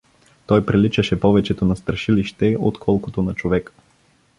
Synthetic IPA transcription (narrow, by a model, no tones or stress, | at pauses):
t̪ɔjpɾilit͡ʃɐʃɛpɔvɛt͡ʃɛt̪onɐst̪ɾɐʃiliʃt̪ɛo̰t̪kʰɔlˠkot̪onɐt͡ʃovɛk